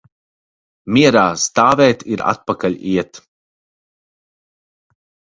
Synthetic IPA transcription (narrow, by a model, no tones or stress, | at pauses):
miɛɾaːst̪aːvɛːt̪iɾa̰t̪̚pakaʎʲiɛt̪